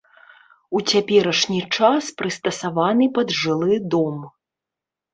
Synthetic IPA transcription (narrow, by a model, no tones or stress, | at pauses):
ut͡sʲapʲɛɾɐʂnʲit͡ʂaspɾɨst̪ɐsavanɨpɐd̪ʐɨlˠɨd̪ɔm